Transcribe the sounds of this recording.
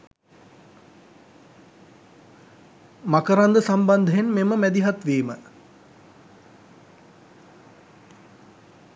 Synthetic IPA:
makəɾand̪əsamband̪əɦenmeməmæd̪iɦat̪ʋeːmə

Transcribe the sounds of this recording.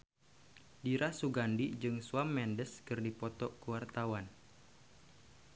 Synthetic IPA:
diɾasuɡandid͡ʒɨŋsuamːɛndəskɨrdipɔt̪ɔkuwart̪awan

